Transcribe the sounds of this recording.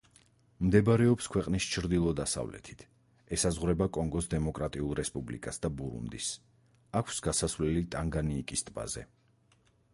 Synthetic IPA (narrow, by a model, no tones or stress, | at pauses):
md̪ɛbaɾɛɔpskʰwɛqʼnist͡ʃʰɾd̪ilˠɔd̪asa̰vlɛ̰t̪ʰi̥t̪ʰ | ɛsazʁwɾɛbakʼɔŋɡɔsd̪ɛmɔkʼɾat̪ʼiulˠɾɛspʼublḭkʼasd̪abuɾṵnd̪is | akʷʰsɡasasvlɛlit̪ʼaŋɡaniːkʼist̪ʼba̰zɛ